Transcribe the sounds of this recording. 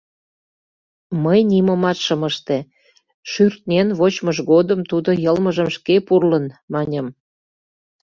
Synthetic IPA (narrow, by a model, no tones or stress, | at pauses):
məjniməmɑt̪ʃəməʃt̪e | ʃyrt̪̚nʲenβot͡ɕməʒɣod̪əmt̪ud̪ojəlməʒəmʃkepurlənmɑnʲəm